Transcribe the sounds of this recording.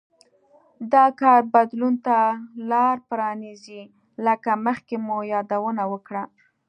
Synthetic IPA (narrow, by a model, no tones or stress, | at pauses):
d̪ɑkɑɾbad̪lunt̪alɑɾpɾɑnizi | ləkaməxkemojɑd̪awənawəkɽa